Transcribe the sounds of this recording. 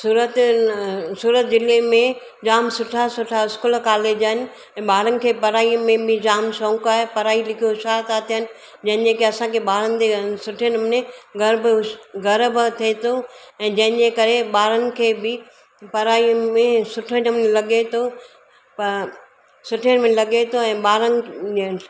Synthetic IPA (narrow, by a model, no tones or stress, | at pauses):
suːɾət̪ | suːɾət̪d͡ʑɪlemẽ | d͡ʑaːmsʊʈʰasʊʈʰaɪskulkaːleːd͡ʑaɦɪnɪ̆ | ɛ̃ːɓaːɾənɪ̆kʰeːpɐɾaːimẽbɪd͡ʑaːmsõːkaːɦepɐɾaːilɪkʰijoʃaːt̪aːt̪ʰiɦənɪ̆ | d͡ʑɐ̃ɦɪ̃d͡ʑekeɐsãkʰeɓaːɾənɪ̆d͡ʑ̪esʊʈʰiənɪmnẽɡɐɾbɡɐɾbt̪ʰiet̪ʰoɛ̃ːd͡ʑɐ̃ɦɪ̃ɲd͡ʑekɐɾeɓaːɾənɪ̆kʰeːbɪ | pɐɾaːimẽsʊʈʰənəmnelɐɡet̪ʰo | p | sʊʈʰiənmẽlɐɠet̪ʰoɛ̃ːɓaːɾənɪ̆